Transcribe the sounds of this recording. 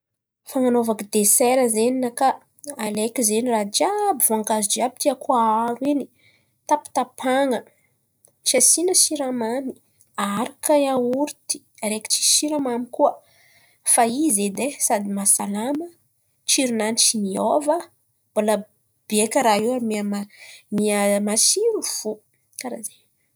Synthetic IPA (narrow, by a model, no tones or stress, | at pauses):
faŋanovakid̪esɛɾəzeninakaː | lekizenirad͡ʒabivoaŋɡazid͡ʒiabi̥t̪iakuaaɾweni | t̪api̥t̪apʰaŋə | t͡ʃiasinəʃiɾamani̥ | aɾakajauɾt̪i̥ | ɾeki̥t͡ʃi̥ʃiɾamamikuə | faized̪esad̪imasalamə | t͡ʃiɾunanit͡ʃimiovə | b̥ola | b̥iekəɾaiwamiamamiamasiɾuv̥u | kaɾaze